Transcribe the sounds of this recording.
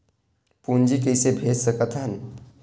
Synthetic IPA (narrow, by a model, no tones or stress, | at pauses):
puːnd͡ʒikəɪsebʱeːd͡ʒsəkət̪ʰɦən